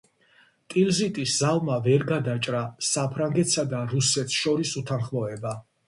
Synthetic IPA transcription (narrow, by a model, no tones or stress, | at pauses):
t̪ʼilzit̪ʼisz̥alˠmavɛɾɡad̪at͡ʃʼɾasapʰɾaŋɡɛt̪ʰsad̪aɾusɛt̪ʰʃɔɾisut̪ʰanχmɔɛba